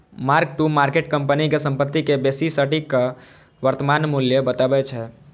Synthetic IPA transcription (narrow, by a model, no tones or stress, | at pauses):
maɾk̚ʈumaɾkeʈ̚kəmpənikesə̃mpət̪ːikebesisəʈikːə | ʋəɾt̪əmanmuljəbət̪abɛt͡ʃʰɛ